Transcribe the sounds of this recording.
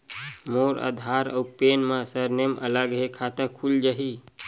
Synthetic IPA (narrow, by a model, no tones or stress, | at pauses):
moːɾə̰d̪ʱaɾə̰upenmãsəɾnemə̰ləɡɦekʰat̪əkʰuld͡ʒaɦi